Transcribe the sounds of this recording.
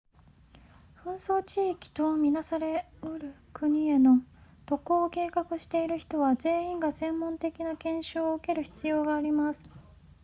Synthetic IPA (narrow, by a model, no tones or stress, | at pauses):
ɸɯ̟̃ɰ̃soːt͡ɕiːkʲi̥t̪o̞mʲinasaɾe̞oɾɯ̟kɯ̟ɲ̟ie̞no̞t̪o̞koːke̞ːkakɯ̟ɕi̥t̪e̞iɾɯ̟çi̥t̪o̞βad͡ze̞ːĩŋɡasẽ̞mːõ̞nt̪e̞kʲinakẽ̞ɰ̃ɕɨoɯke̞ɾɯ̟çi̥t͡sɨjo̞ːɡaːɾʲimasɨ̥